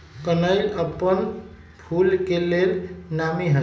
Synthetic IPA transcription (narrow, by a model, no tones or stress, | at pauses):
kənəjləpːən | pʰulkeleɾnamiɦə